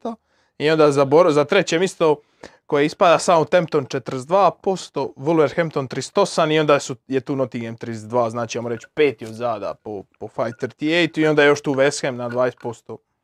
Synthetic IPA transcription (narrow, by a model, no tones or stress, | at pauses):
a | io̞nd̪aːzaboɾzat̪ɾe̞t͡ɕemist̪o | ko̞jeispad̪asaːmut̪e̞mt̪ont͡ʃet̪əɾzd̪ʋaːpo̞st̪oʋulˠʋeɾxemt̪ont̪ɾist̪o̞samio̞nd̪aːsujet̪uːnot̪iɡemt̪ɾisd̪ʋaːznaːt͡ʃiamoɾet͡ɕpeːt̪iod̪zaːd̪a̰popofajt̪əɾt̪iejt̪uiod̪ajejo̞ʃt̪uːʋesxemnad̪ʋaːjest̪po̞st̪o